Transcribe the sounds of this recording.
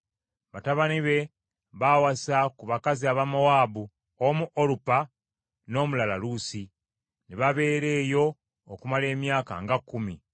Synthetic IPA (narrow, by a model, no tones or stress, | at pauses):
βataβaniβe̞ | βawasakuβakaziaβamawaːbu | omuʔolupa | no̞ːmulalalusi | neβaβe̞ːɾe̞ːjo̞ː | kumale̞ːmjaːka̰ŋɡakːumi